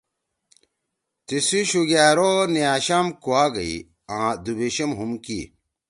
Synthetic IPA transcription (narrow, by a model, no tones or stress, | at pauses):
t̪isiɕuɡaːɾonijaːɕamkuaːɡɐḭ | ãːd̪ubeɕɐmɦumkḭ